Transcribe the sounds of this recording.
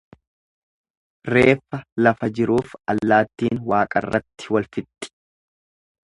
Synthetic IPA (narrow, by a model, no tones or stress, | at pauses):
re̞ːfːɐlɐfɐd͡ʒɪɾuːfɐlːaːt̪ːiːnwaːkʼɐ̰rːɐt̪ːɪwɐlfɪt̪ʼːɪ̥